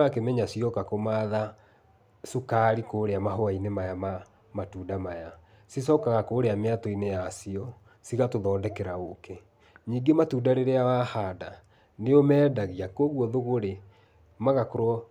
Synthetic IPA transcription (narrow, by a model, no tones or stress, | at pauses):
akemɛɲasiɔkakomaːða | sukaɾikoːɾeamaɦoainemajama | matuːdamaja | sisɔːkaɣakoːɾeameatɔinejasiɔ | siɣatoðɔːndɛkɛɾaoke | ɲiːɡematuːdaɾeɾeawahaːda | neomɛːdaɣiakoɣwɔðoɣoɾe | maɣakoɾɔ